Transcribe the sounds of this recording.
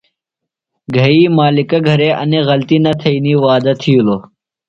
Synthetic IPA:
ɡʱɐiːmaːlɪkɐɡʱɐɾeːʔɐ̰neɣɐlt̪iːnɐt̪ʰɐiniːʋaːd̪ɐt̪ʰijuloː

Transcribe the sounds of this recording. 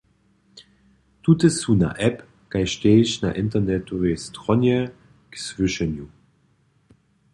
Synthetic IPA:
tʰutəsuna̰ʔɛp | ɡ̥aɪʃteːʃna̰ʔɪntɐnɛtovestʁɔnjə | ksv̥ʏʃənju

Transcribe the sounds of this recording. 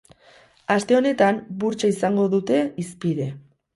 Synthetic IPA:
ast̪e̞o̞ne̞t̪ambuɾt͡ʃaisaŋɡo̞ðut̪e̞ispiðe̞

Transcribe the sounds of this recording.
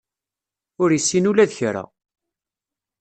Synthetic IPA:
ʊɾisːinulæðçɾa̰

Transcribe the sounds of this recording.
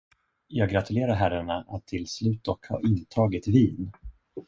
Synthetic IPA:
jɑːɡɾat̪ʰɵleːɾaɾɦæɾaɳaʔat̪ʰːɪlslʉ̟ːt̪̚d̪ɔkhɑ̰ːɾɪnt̪ʰɑːɡɪt̪viːn

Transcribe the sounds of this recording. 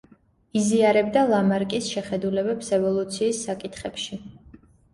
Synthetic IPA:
iziaɾɛbd̪alˠamaɾkʼisʃɛχɛd̪ulɛbɛpsɛvɔlˠut̪sʰiːsːakʼit̪ʰχɛpʃi

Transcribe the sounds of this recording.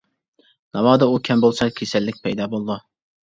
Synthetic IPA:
nɑwɑːd̪ɛukʲʰɛmbolˠsɑkʲʰesɛlːɪk̚ʲpʰɛjd̪ɑːbolˠd̪u

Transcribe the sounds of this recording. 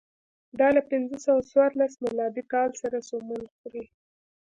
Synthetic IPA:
d̪ɑlapɪnzəsawaswɑɾlasmɪlɑb̪ikɑlsaɾasomulxuɾi

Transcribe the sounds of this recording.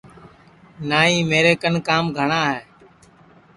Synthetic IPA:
naːɦĩːmeːɾeːkənkaːmɡʱəɳaːɦeː

